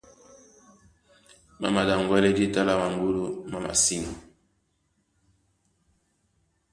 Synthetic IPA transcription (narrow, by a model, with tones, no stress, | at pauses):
ma̰˦ma˨da˨ŋ˨ɡwɛ˦lɛ˦di˦ta˦la˦ma˨ŋ˦ɡu˦lu˦ma˦ma̰˨si˦ni˨